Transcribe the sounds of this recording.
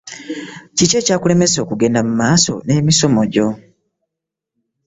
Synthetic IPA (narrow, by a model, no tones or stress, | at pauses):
cice̞caːkule̞me̞so̞ːkuɡe̞ːndamumaːso̰ne̞ːmiso̞moɟo̞